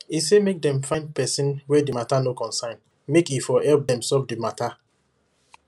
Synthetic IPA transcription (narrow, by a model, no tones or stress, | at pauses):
isemek̚dɛ̃mfãj̃nd̚pɛsĩnwɛdimatanokɔ̃nsãɪ̃n | mekifɔhɛlp̚dɛ̃msɛfdimatʰa